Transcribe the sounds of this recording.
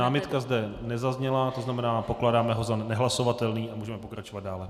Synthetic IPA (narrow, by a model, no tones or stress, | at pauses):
aːmɪt̪kazdɛnɛzazɲɛlat̪o̞znamɛnaːpo̞klaːdaːmɛɦo̞zanɛɦlaso̞vat̪ɛlniːʔamuːʒɛmɛpokɾat͡ʃo̞vad̪̚daːlɛ